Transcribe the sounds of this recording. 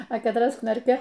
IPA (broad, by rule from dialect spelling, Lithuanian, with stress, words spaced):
ɐ kɐtˈrɐs ˈknɐrʲkʲɛ